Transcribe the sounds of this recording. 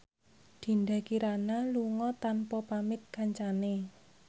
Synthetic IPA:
d̪̥i̤nda̤kiɾanaluŋɔt̪anpɔpamɪk̚kaɲt͡ʃane

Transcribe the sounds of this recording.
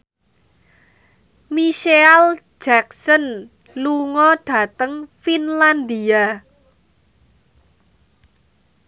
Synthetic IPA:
miʃeal | d͡ʒ̥aksən | luŋɔɖ̥a̤t̪əŋfinland̪ia

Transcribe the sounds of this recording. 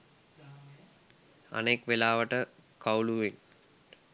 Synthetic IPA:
a̰nekʋelaːʋəʈəkawluʋin

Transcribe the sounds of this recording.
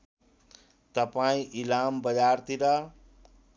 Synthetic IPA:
t̪əpaĩʔilambəd͡ʒaːɾt̪iɾʌ

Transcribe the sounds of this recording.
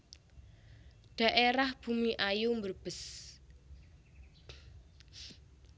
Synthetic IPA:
ɖ̪̥ä̤ʔeɾahb̥ṳmiʔajumbərb̥ə̤s

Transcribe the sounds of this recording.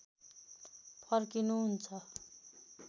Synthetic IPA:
pʰʌrkinuɦunt͡sʰʌ

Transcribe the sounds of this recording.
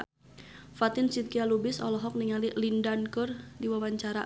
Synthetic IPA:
fat̪ɪnsit̪̚kialubɪsɔ̰lɔɦɔk̚niŋalilindankʊrdiwawaɲt͡ʃaɾa

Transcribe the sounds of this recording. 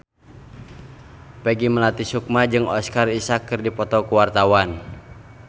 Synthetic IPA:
pɛɡiməlat̪isuk̚mad͡ʒɨŋɔskarisakːɨrdipɔt̪ɔkuwart̪awan

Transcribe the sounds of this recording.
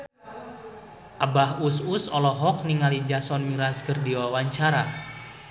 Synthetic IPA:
ʔabaɦususɔlɔɦɔk̚niŋalid͡ʒasɔnmiɾaskərdiwawaɲt͡ʃaɾa

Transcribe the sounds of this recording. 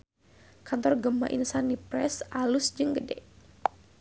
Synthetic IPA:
kant̪ɔrɡəma̰ʔinsanipɾɛsalʊsd͡ʒɨŋɡədɛʔ

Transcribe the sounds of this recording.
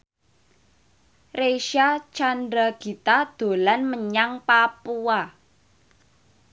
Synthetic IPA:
reʃat͡ʃandɾaɡ̥i̤t̪ad̪̥o̤lanməɲaŋpapua

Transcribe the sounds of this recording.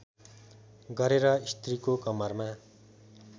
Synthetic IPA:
ɡʌɾeɾʌist̪rikokʌmʌrma

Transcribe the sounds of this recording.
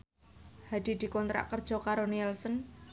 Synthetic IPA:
had̪̥i̤d̪̥i̤kɔnt̪ɾa̰ʔkərd̥ʒ̥ɔ̤kaɾoniɛlsən

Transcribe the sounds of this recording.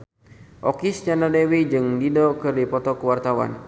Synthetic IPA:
ʔɔkist͡ʃanadɛwid͡ʒɨŋdidɔkɨrdipɔt̪ɔkəwart̪awa̰n

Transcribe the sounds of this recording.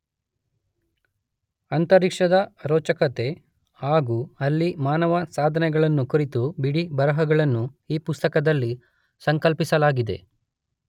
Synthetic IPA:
ɐnt̪ɐɾikʂɐd̪ɐɾɔːt͡ʃɐkɐt̪e̞ | haːɡuɐlːimaːnɐʋɐsaːd̪ʱɐnɛɡɐɭɐnːukuɾit̪ubiɽibɐɾɐɦɐɡɐɭɐnːuiːpust̪ɐkɐd̪ɐlːi | sɐŋkɐlpisɐlaːɡid̪e̞̰

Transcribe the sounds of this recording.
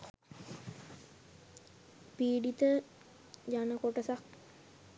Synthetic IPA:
piːɖit̪ə | d͡ʒanəkoʈəsak̚

